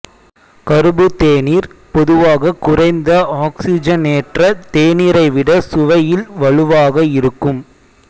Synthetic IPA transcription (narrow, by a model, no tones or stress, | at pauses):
kɐɾɯbɯt̪eːniːɾpɔðɯʋaːɣɐkːʊrɐɪnd̪ɐaːksɪd͡ʒɐneːʈrɐt̪eːniːɾɐɪʋɪɽɐsʊʋɐjɪlʋɐɭɯʋaːɣɐɪɾɯkːɯm